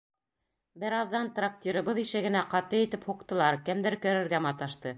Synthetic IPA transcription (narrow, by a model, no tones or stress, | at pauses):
bɘɾɑðːɑnt̪rak̚t̪ʲiɾɤ̆βɤðiʃɘ̆ɡɘ̆næqɑt̪ɤjɘ̆t̪ɘphuq̚t̪ɤ̆lˠɑɾkɘmd̪ɘɾkɵ̆ɾɘ̆ɾɡæmɑt̪ɑʃt̪ɤ